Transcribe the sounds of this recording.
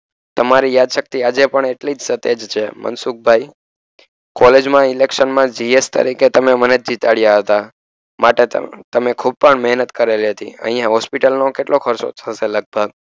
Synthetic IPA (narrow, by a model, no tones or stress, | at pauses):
t̪əmaɾijad̪ʃək̚t̪iad͡ʒepəɳeʈlid͡ʒsət̪ed͡ʒt͡ʃʰemʔə̰nsuk̚bʱai | kɔled͡ʒmãɪlekʃənmãd͡ʒiest̪ə̰ɾiket̪əmeməned͡ʒd͡ʒit̪aɭjaɦət̪a | maʈḛt̪əmekʰub̚pəɳmɛɦnət̪kəɾeliɦət̪ḭə̰̃ɦijãɦɔspiʈəlnokeʈlokʰəɾso̰t̪ʰəseləɡ̚bʱəɡ̚